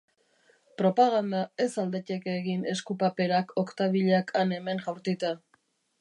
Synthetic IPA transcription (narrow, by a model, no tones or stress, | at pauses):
pɾo̞paɣand̪ae̞sald̪e̞ce̞keɣine̞skupape̞ɾakʰo̞kt̪aβiʎeakʰane̞me̞ŋʝawɾt̪it̪a